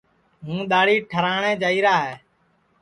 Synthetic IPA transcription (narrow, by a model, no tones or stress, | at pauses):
ɦũːɗ̪aːɽiːʈʰəɾaːɳẽːd͡ʒaːiːɾaːɦɛː